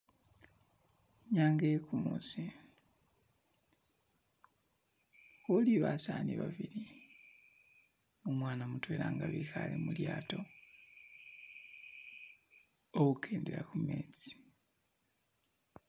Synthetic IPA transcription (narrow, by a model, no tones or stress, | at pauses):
ɲaːŋɡekumuːsi | xoliβasaːniβaβiɾi | omwaːnamutweːɾaŋɡaβixalemuljaːto̞ | oɣukʰeːndeɾakumeːt͡si̥